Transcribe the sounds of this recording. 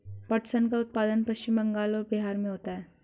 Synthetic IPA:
pɐʈsənkaʊt̪̚paːd̪ənpɐst͡ʃimbɐ̃ŋɡaːlɔːɾbiɦaːɾmẽɦoːt̪aɦɛː

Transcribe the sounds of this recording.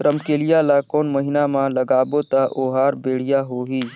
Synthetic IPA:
ɾəmkeːlɪjalakoːnməɦɪnamãləɡaːbot̪aʔoːɦaːɾbeːɽ̤ijaɦoːɦiː

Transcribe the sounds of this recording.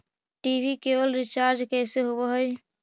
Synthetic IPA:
ʈibʱikebəlɾit͡ʃaɾd͡ʒkɛjseɦobəɦəj

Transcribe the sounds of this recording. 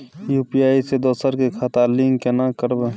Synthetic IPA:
juːpijaːised̪oːsəɾkekʰat̪aːliŋkenãkəɾbe

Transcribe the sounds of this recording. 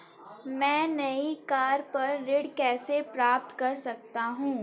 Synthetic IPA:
mɛ̃ːnɐikaːɾpɐɾːɪɽkɛːsepɾaːp̚t̪kɐɾsɐk̚t̪aɦũː

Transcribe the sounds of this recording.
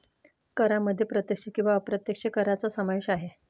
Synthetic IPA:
kəɾaməd̪ʱːjepɾət̪jəkʂekĩw̃ʋapɾət̪jəkʂekəɾat͡sasəməʋɕaɦe

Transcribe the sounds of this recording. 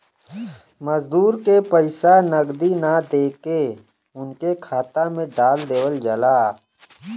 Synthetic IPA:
məzd̪uːɾkepəɪsanəɡd̪inad̪eːke | ʊnkekʰaːt̪amẽɖaːld̪eːwəld͡ʒɐlaː

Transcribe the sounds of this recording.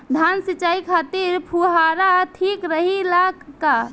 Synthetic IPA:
d̪ʱansit͡ʃaikʰat̪iɾpʰuɦaɾaʈʰikɾəɦilaɡka

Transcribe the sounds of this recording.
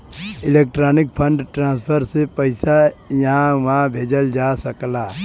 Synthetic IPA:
ɪleːk̚ʈɾaːnɪk̚pʰə̃ɳɖʈɾãːspʰəɾsepəɪsajɐɦãʋãbʱeːd͡ʒəld͡ʒaːsəklaː

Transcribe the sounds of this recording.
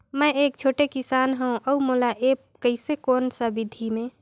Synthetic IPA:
mɛ̃eːk̚t͡ʃʰoːʈekɪsaːnɦɛũʔəumoːlaʔeːp̚kəɪsekɔːnsəbɪd̪ʱimẽː

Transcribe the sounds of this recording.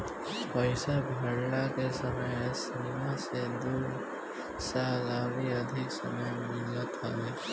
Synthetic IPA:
pʌjsabʱʌɽlakesʌmʌjesinimased̪uɾ | salabiʌd̪ʱiksʌ̰mʌjmilʌt̪ɦʌle

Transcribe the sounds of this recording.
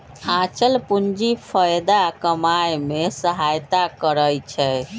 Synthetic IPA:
ãt͡ʃəlpund͡ʒipʰəjd̪akəmajmesəɦajt̪akəɾəjt͡ʃʰɛ

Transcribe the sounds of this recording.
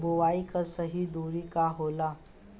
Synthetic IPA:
buʋaikəsəɦid̪uɾikaɦola

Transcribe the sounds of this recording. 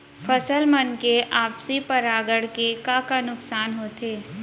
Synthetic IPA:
pʰəsəlmənkeʔaːpsipəɾaːɡəɽkekaːkanʊksaːnɦoːt̪ʰeː

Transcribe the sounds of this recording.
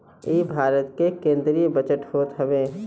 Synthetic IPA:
ibʱaːɾət̪kekẽːnd̪ɾibət͡ʃəʈɦoːt̪ɦəbe

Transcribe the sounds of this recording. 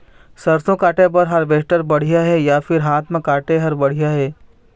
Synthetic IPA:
sɐɾsõkaːʈẽpɐɾɦɐɾbeːʃʈəɾbɐɽ̤ijaɦɛjafʰɪɾɦaːt̪ʰmẽkaːʈeɦɐɾbɐɽ̤ijaɦɛː

